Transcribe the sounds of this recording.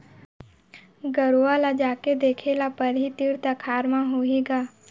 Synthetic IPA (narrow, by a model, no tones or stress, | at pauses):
ɡəɾoalad͡ʒaːked̪eːkʰelapəɾɦit̪iɾt̪akʰaːɾmãɦoːeːɡaː